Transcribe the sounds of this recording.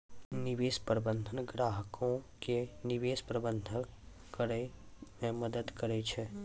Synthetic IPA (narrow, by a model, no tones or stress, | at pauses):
nɪʋeːspɾəbə̃nd̪ʱənɡɾaːɦəkõkenɪʋeːspɾəbə̃nd̪ʱə | kəɾɛmẽməd̪əd̪kəɾɛt͡ʃʰɛː